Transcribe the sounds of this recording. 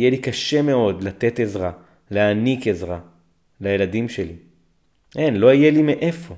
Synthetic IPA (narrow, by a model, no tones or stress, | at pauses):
jelikaʃe̞me̞o̞dlat̪e̞t̪e̞zʁa | leanikezʁa | lajeladimʃeli | ʔenlo̞ijelimeʔe̞fo̞